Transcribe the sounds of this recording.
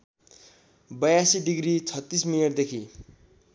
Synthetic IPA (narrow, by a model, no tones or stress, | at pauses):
bʌjasiɖiɡrit͡sʰʌt̪ːismiljʌʈd̪ekʰi